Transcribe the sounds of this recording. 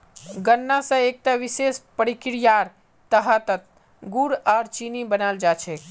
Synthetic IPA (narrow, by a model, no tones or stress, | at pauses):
ɡənːasə̃ek̚t̪aʋisespəɾikɾijaɾ | t̪əɦət̪ət̪ | ɡuɾaɾt͡ʃinibənald͡ʒat͡ʃʰɛ